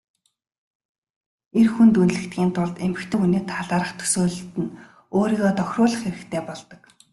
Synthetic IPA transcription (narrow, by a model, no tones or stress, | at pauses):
erxunt̪unɮɘ̆kt̪ɡʲiːnt̪ʰʊɮt̪emɘ̆kt̪ʰĕːuneːt̪ʰaɮaːɾə̆χt̪ʰɵ̥soːɮ̆t̪ɘ̆n | oːɾiːɣɔːt̪ɔxʲrʊːɮə̆χxeɾɘ̆kt̪ʰeːpɔɮt̪ɞ̆k